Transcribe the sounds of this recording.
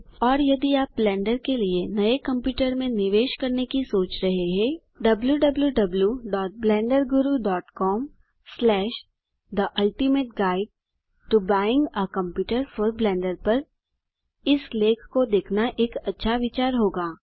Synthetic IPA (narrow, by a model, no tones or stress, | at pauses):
ɔːɾjɐd̪iaːp̚blɛ̃ːɳɖəɾkelienɐekɐ̃mpjuːʈəɾmẽnɪʋeːʃkɐɾnekisoːt͡ʃɾɐɦeɦɛ̃ː | ɖɐbljuɖɐbljuɖɐbljuɖɔːʈ̚blɛ̃ːɳɖəɾɡʊɾuɖɔːʈkɔːm | slɛːʃ | d̪əʔɐlʈimeːʈ̚ɡaːɪɖ̚ | ʈubaːɪɪ̃ŋɡəkɐ̃mpjuːʈəɾfɔɾblɛ̃ːɳɖəɾpɐɾ | ɪsleːkʰkod̪eːkʰnaʔeːkɐtːʃʰaʋɪt͡ʃaːɾɦoːɡaː